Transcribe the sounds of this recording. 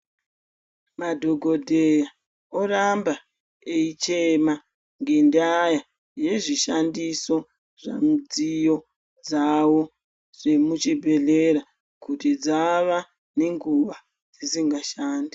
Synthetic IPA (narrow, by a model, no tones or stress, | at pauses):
madʱo̞ɡʱo̞dʱeja | oramba | eit͡ʃema | ŋɡe̞ndaja | je̞ʐiʃandiso̞ | ʐa̰md͡zijo̞ | d͡zawo̞ | ʐe̞mut͡ʃibʱe̞ɮe̞ɾa | kutid͡zaʋa | ne̞ŋɡuʋa | d͡zisiŋɡaʃaːndi